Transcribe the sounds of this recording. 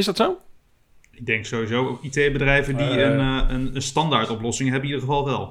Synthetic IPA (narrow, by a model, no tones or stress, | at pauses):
ɪzdɑtsow | ɪɡ̚dɛŋksowizowokitejbədrɛjvədiənənənstɑndaːɹtɔplɔsɪŋɦɛbənidəɹχəvɑlˠʋɛlˠ